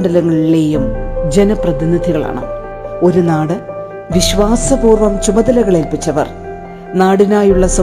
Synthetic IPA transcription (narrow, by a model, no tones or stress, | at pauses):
ɳɖɐlɐŋːɐɭile̞ːjumd͡ʑe̞nɐprɐðinːid̪ʱiɣɐɭa̰ːɳɨ̰ | o̞ɾunaːɽɨ | ʋiɕʋaːsɐbuːrʋɐmt͡ɕumɐðɐlɐɣɐɭelpit͡ɕːɐʋɐ̰r | naːɽinaːjuɭːɐsɐ